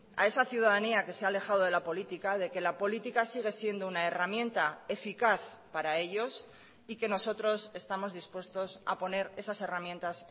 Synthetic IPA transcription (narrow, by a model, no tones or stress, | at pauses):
a̰e̞saθjuð̞aðaniake̞seale̞xaðoð̞e̞lapo̞lit̪ikaðe̞ke̞lapo̞lit̪ikasiɣ̞e̞sje̞nd̪ounae̞ramje̞nt̪ae̞fikaθ | paɾae̞ʎo̞s | ike̞no̞so̞t̪ɾo̞se̞st̪amo̞zðispwe̞st̪o̞sa̰po̞ne̞ɾe̞sase̞ramje̞nt̪as